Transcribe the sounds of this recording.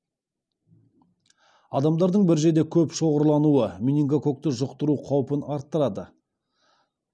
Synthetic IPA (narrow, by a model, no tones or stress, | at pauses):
ɑd̪ɑmd̪ɑɾd̪əɴbɪɾʒe̞d̪e̞kʲʰɵpʃo̞ʁəɾlˠɑnuwəminʲiŋɡoko̞k̚t̪əʒʊqt̪əɾuqʰɑwpənɑɾt̪ːəɾɑd̪ə